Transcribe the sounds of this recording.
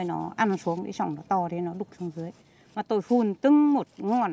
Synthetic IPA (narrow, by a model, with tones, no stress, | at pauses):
jnɔ̰˨˦ʔa˧nsu˨˦əŋɗḛ˨˦sɔ̰˧˩wŋ͡mnɔ˨˦t̪ɔ˧˩ɗe˨˧˦nɔ˨˦ɗʊ˨˩k͡p̚sɔ˨˧˦wŋ͡mzɨ˨˦əj | maː˨˩t̪o˧jhu˧˩nt̪ɨ˧˦ŋmo˨˩t̚ŋɔ˧˩n